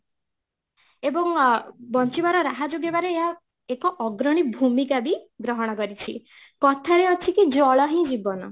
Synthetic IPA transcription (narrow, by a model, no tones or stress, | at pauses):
ebɔŋbɔnt͡ʃibaɾɔɾaɦad͡ʒoɡebaɾeːɦa | ekɔʔɔɡɾɔɽ̃ibʱumikabiɡɾɔɦɔɽ̃ɔkɔɾit͡ʃʰi | kɔt̪ʰaɾeɔt͡ʃʰikid͡ʒɔɭɔɦĩd͡ʒibɔnɔ